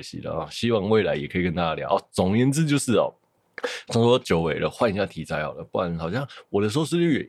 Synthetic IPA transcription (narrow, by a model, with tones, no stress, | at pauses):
ɕḭ˨˩d̪ə̰˩ɔ̰˩ɕi˦˥wɑ˥˧ŋwe˥˩ɪla̰˧˦ɪjɛ˨˩kʰɤ˧i˨˩kə˥˦nt̪a˥˩t͡ɕa˥˧lja˨˦ʔɔ˧˩t͡sɔ˨˩ŋjɛ˧˦nt͡sɹ̩˥˧t͡ɕjo˥˧ʊʂɻ̩˥˩ɔ̰˨˩ | sʰŋʂwɔ˥t͡ɕjo˧ʊwe˨˩ɪlə̰˦xwa˥˩ni˨˩ɕja˥˩t̪ʰi˧˥t͡sa˧˥ɪxɑ˨˩də˦˩pu˥˩a˧˦n˩xɑ˨˩ʊɕjɑ˥˩ŋwɔ˨˩d̪ə˦ʂ̬̩˧ho˥˧ʊʂɻ̩˥˧y˥˩ɥɛ̰˨